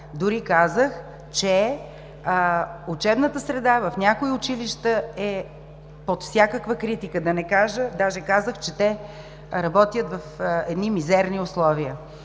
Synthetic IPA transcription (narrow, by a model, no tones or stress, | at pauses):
d̪ʊɾikazəx | t͡ʃɛ | ʊt͡ʃɛbnət̪əsɾɛd̪avɐfnʲjakoiʊt͡ʃiliʃt̪əɛ | pot̪fsʲakəkvəkɾit̪ikəd̪ɐnɛkaʒəd̪aʒɛkazəxt͡ʃɛt̪ɛ | ɾɐbɔt̪jət̪vɐfɛd̪nimizɛɾniʊslˠɔviə